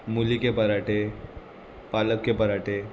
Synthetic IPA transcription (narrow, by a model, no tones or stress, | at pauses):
mulikepəɾaʈe | paləkːepəɾaʈe